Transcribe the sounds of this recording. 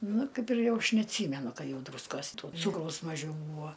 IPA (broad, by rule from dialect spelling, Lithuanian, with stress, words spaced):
ˈnʊ ˈkɐɪp ɪr ˈjɛʊ ˈɐʃ nʲɛɐtʲˈsʲiːmʲɛnʊ ˈkɐ ˈjɛʊ ˈdruːskoːs toː ˈt͡suːkrɐʊs mɐˈʒʲɛʊ ˈbuːʋoː